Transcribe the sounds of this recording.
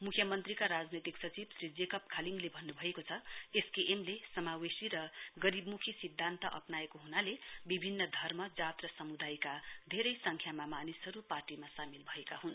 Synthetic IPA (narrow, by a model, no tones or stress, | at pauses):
mukʰjʌmʌnt̪rikaɾad͡znet̪iksʌt͡sibsɾid͡zekʌpkʰaliŋɡlebʱʌnːubʱʌekot͡sʰʌeskeʔemlesʌmawesiɾʌɡʌɾibmukʰisid̪ʱːant̪ʌʔʌ̰pnaekoɦunalebibʱinːʌd̪ʱʌrmʌd͡zat̪rʌsʌmud̪ajkad̪ʱeɾʌjsʌŋkʰjamamanisɦʌɾuparʈimasamilbʱʌekaɦun